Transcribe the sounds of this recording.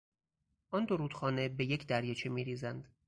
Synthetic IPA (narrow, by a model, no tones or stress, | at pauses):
ʔɒnd̪oɾuːd̪̥xɒːne̞be̞je̞cʰd̪æɾjet͡ʃʰemiːɾiːzænd̪̥